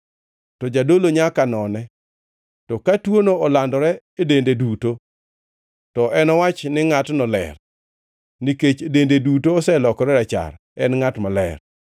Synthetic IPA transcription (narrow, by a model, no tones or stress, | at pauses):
tɔd͡ʒadoloɲakanɔnɛ | tɔkatwonoɔlandɔɾɛ | edendeduto | tɔʔɛnɔwat͡ʃnɪŋatnɔlɛ̰r | niket͡ʃedendedutoːsɛlɔkɔɾɛɾɛt͡ʃa̰ɾ | ɛnŋatmalɛ̰r